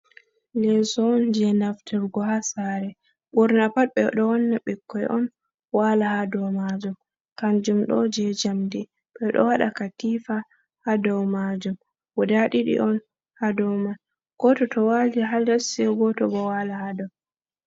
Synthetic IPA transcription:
lɛsɔːnd͡ʒɛnaftʰɛɾɡɔɦasaɾɛ | ɓuɾnapat̚ɓɛɗɔwɔnːaɓɛkʰːɔjʔɔn | walahadɔwmad͡ʒum | kand͡ʒumɗɔ̰d͡ʒɛd͡ʒamdi | ɓɛɗɔ̰waɗa̰katiːfa | hadɔwmad͡ʒum | wɔdaɗiɗḭʔɔn | hadɔwmal | ɡ̥ɔtɔtɔwaliɦadasiɛɡɔtɔbɔwalahadɔw

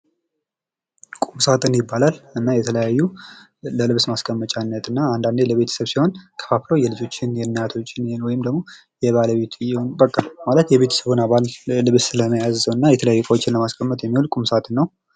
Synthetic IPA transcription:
kʼumsat̪ʼɨnjɪbːalalɨnːajɛt̪ʰələjajːu | ləlɨβsmaskʰʼəmːət͡ʃʼanːət̪ʰɨnːaand̪and̪eləβe̞t̪ʰə̥səβsiho̞nkʰə̥faflojɛlɨd͡ʒo̞t͡ʃːɪnjɛnːjat̪ʰo̞t͡ʃːɪnenwɔjɪmd̪əɡmo̞ | jɛβaləβe̞t̪ʰjɪho̞nbəkʼːamalət̪jɛβe̞t̪ʰə̥səβɨnaβalːɨβsɨləməjazəwɨnːajɛt̪ʰələjajːukʼəwt͡ʃːɪnləmaskʰʼəmːət̪jɛmːihulkʼumsat̪ʼɨnːəw

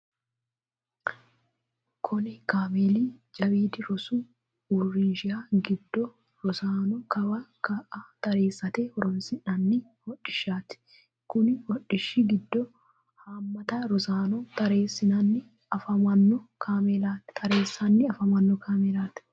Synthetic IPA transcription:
kʰʊnɪkaːmeːliːd͡ʒɐbiːd̪ɪɾɔsu | ʊrːɪnʃɪjaːɡɪd̪ːɔ | ɾʊsaːnɔkɐbɐkɐʔaːt̪ɐɾeːsːɐt̪eːhɔɾɔnsɪnɐnːɪ | hɔᶑɪʃːaːt̪ɪ̥ | kʊnɪwɔᶑɪʃːɪɡɪd̪ːɔ | haːmːɐt̪ɐɾɔsaːnɔt̪ɐɾeːsːɪnɐnːɪ | ɐfɐmɐnːɔkʰaːmelaːt̪ɪ̥t̪ʰɐɾeːsːɐnːɪɐfɐmɐnːɔkʰaːmelaːt̪

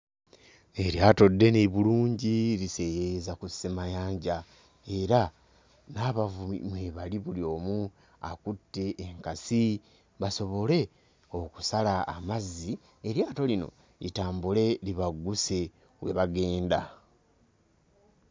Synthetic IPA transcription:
e̞ɾjaːto̞dːe̞niβuluːɲɟilise̞jejezakusemajaːɲɟa | e̞ɾa | naːβavuḭmweβaliβulio̞ːmu | akutːe̞ʔːŋkasi | βaso̞βo̞le̞ | o̞ku̥sala̰ːmazːi | e̞ɾjaːto̞lino̞̰ | itaːmbule̞liβaɡːuse̞ | we̞βaɡe̞ːnda

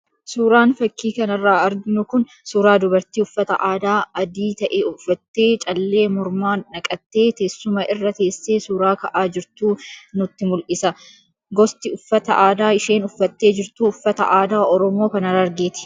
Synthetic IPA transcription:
suːɾaːnfɐkːiːkɐnɐrːaːɐɾɡɪnʊkʊn | suːɾaːd̪ʊbɐɾt̪iːʊfːɐt̪ɐ̰ʔaːd̪aːɐd̪iːt̪ɐʔeːʊfːɐt̪ːe̞ːt͡ʃʼɐlːe̞ːmʊɾmaːnnɐkʼɐt̪ːeːt̪eːsːʊmɐʔɪrːɐt̪e̞ːsːeːsuːɾaːkɐʔaːd͡ʒɪɾt̪uːnʊt̪ːɪmʊlʔɪsɐ | ɡɔst̪ɪʊfːɐt̪ɐʔaːd̪aːɪʃe̞ːnʊfːɐt̪ːe̞ːd͡ʒɪɾt̪uːʊfːɐt̪ɐʔaːd̪aːʔɔɾɔmoːkɐnɐrɐɾɡeːt̪ɪ̥

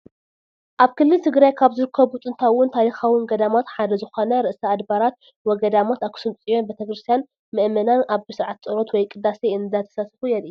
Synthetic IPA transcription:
ʔaβkʰɨlːɨlt̪ʰɨɡɾajkʰaβzɨɾɨkʰːɐβut̪ʼɨnt̪ʰawːʊnt̪ʰaɾixawɨnɡɐd̪amat̪ħad̪ɐzɨxonɐɾɨʔsɐːd̪baɾat̪̚ | wɔɡɐd̪amat̪akʰɨ̥sɨmt͡sʼijo̞nbet̪ʰɐkɾɨst̪ʰijan | mɨʔmɐnanʔaβɨsɨɾʕat̪̚t͡sʼɨɾot̪wɔjkʼɨd̪aseɨnɨzat̪ʰɐ̥sasfujɛliju

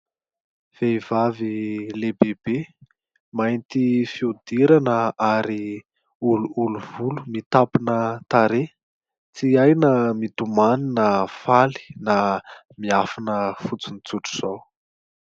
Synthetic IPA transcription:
v̥eivavilebebe | majnt̪ifiud̪iɾanəaɾi | uluuluvulumit̪apunət̪aɾe | t͡siajnəmit̪umaninəfali̥na | miafanəfut͡sinit͡suʈ͡ʂu̥z̥ow

